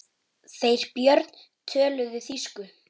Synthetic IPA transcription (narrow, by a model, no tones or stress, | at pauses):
θejɾ̥pjœɾt̪n̥ | t̪ʰœːlʏðɪθiskʏ